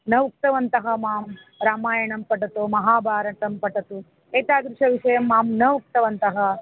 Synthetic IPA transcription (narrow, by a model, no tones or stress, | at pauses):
nɐʋk̚t̪ɐʋɐnt̪ɐɦɐmaːm | ɾaːmaːjɐɳɐmpɐʈ̬ɐt̪omɐɦaːbʱaːɾɐʈ̪ɐmpɐʈɐt̪u | eːt̪aːɡ̪ɾɪʂɐʋiʂɐjɐmːaːmnɐʋuk̚t̪ɐʋɐnt̪ɐɦɐ